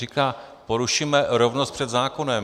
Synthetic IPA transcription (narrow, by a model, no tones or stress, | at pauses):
ikaː | po̞ɾuʃimɛɾovnost̪pr̥ɛd̪zaːkonɛm